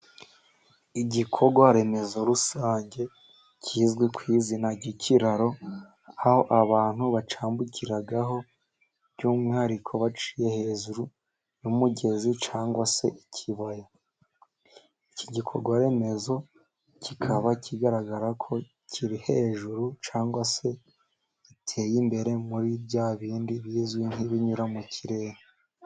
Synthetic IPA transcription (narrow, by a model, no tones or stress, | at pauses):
iɟikʰo̞ɡwaɾe̞me̞zo̞ɾusaːɲɟe̞ | cʰiːzɡwekwiːzinaɟicʰiɾaɾo̞ | aho̞ʔaβaːn̥huβat͡ʃaːmbucʰiɾaɡaɦo̞ | βɟumŋaɾikʰo̞βat͡ʃi̥je̞he̞ːʒuɾu | jumuɟe̞zit͡ʃaːŋɡwase̞ʔicʰiβaja | icʰiɟikʰo̞̰ɾɡwaɾe̞me̞zo̞ | cikʰaβacʰiɡaɾaɡaɾakʰo̞ | cʰiɾihe̞ʒuɾut͡ʃaːŋɡwase̞ | itʰe̞ːjimbe̞ɾe̞muɾibjaːβiːndiβiːzɡwinhiβiɲuɾamucʰiɾe̞ːɾe